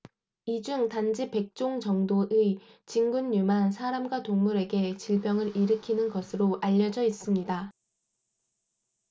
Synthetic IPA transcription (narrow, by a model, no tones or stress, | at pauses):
id͡ʑuŋtand͡ʑipe̞k̚t͡ɕ͈oŋt͡ɕʌŋdoʔɯi | t͡ɕiŋɡunːumansʰaɾamɡwatoŋmuɾe̞ɡe̞t͡ɕiɭbjʌŋɯɾiɾɯkʰinɯnɡʌsʰɯɾoʔaʎːʌd͡ʑʌis͈ɯmɲida